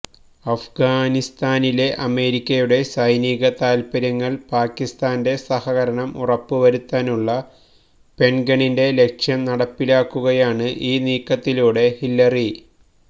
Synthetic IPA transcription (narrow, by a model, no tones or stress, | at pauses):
ɐfɡaːnist̪aːnile̞ʔɐme̞ːɾikʲːɐjuɽe̞sɐjniːɣɐt̪aːlpɐɾɐŋːɐɭpaːkːist̪aːnde̞sɐhɐɣɐɾɐɳɐmurɐpːɨʋɐɾut̪ːaːnuɭːɐ | pe̞ɳɡɐɳinde̞le̞kʂjɐmnɐɽɐpːilaːkːuɣɐjaːɳɨʔiːniːkːɐt̪ːiluːɽe̞hilːɐri